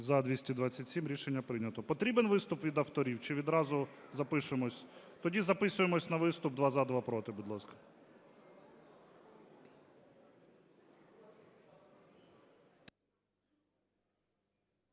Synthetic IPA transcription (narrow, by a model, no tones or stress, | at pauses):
zɐd̪ʋʲisʲtʲid̪ʋɑt͡sʲːɐtʲsʲimɾʲiʃenʲːɐpɾɪnʲɐt̪ɔpɔt̪ɾʲibenʋɪst̪ʊpʋʲid̪ɐwt̪ɔɾʲiwt͡ʃɪʋʲid̪ɾɑzʊzɐpɪʃɪmɔsʲt̪ɔdʲizɐpɪsʊjemɔsʲnɐʋɪst̪ʊbd̪ʋɑzɐd̪ʋɑpɾɔt̪ɪbud̪lˠɑskɐ̥